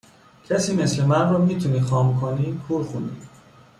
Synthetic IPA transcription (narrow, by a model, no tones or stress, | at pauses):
cʰesiːme̞slemænrɔːmiːt̪ʰuniːxɒːmkʰoniːkʰuːɾxund̪iː